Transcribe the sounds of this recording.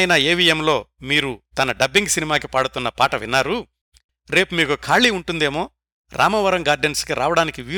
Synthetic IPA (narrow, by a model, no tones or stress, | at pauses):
jnɐeːʋijemlo̞ːmiːɾut̪ɐnɐɖɐbiŋɡsinimaːkipaːɽut̪unːɐpaːʈɐʋḭnːaːɾu | ɾe̞ːpumiːkukʰaːɭiːuɳʈund̪e̞ːmo̞ː | ɾʔa̰ːmɐʋɐɾɐŋɡaːɾɖenskiɾʔaːʋɐɽaːnikiʋiː